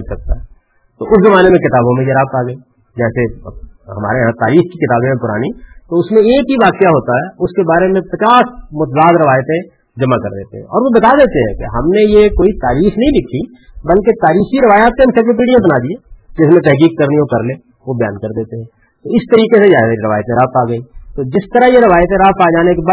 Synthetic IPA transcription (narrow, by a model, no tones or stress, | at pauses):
sɐk̚t̪a̰ɦɛː | t̪oʔʊszɐmaːnemẽkɪt̪aːbõmẽjɐɾaːb̚t̪aːɡəi | d͡ʒɛːseɦɐma̰ːɾeɦãt̪aːɾiːxkikɪt̪aːbõmẽpʊɾa̰ːnit̪oʊsmẽeːkɦiʋaːqijaɦoːt̪aɦɛːʊskebaːɾemẽpɾɐt͡ʃaːsmʊt̪zaːzɾɪʋaːjt̪eɦɛ̃ | d͡ʒɐmakɐɾd̪eːt̪ḛɦɛ̃ɔːɾʋobɐt̪ad̪eːt̪eɦɛ̃keɦɐmnejekoːit̪aːɾiːxnɐɦĩlɪkʰːi | bɐlket̪aːɾiːxiɾɪʋaːjaːt̪̚keɦɐmsek̬ɾɪp̬iːɖijãbɐnad̪ieːd͡ʒɪsmẽt̪ɛɦkiːkkɐɾnijõkɐɾleː | ʋobɪja̰ːnkɐɾd̪eːt̪eɦɛ̃ː | t̪oɪst̪ɐɾiːkesed͡ʒɛːeɾɪʋaːjt̪ẽɾapaːɡəĩt̪od͡ʒɪst̪əɾəɦjeɾɪʋaːjət̪ẽɾaɦpaːd͡ʒaːnekebaː